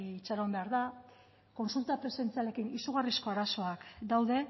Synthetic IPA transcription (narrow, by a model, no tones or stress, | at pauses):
t͡ʃaɾombe̞aɾða | ko̞nsult̪apɾe̞se̞nt͡siale̞kinisuɣ̞arisko̞aɾaso̞akd̪awðe̞